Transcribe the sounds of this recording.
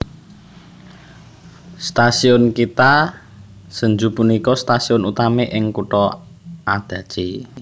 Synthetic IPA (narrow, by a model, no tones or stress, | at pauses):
st̪asiʊnkit̪a | səɲd͡ʒupunikɔst̪asiʊnut̪ameʔɪŋkuʈɔ | ad̪̥ä̤d̥ʒ̥i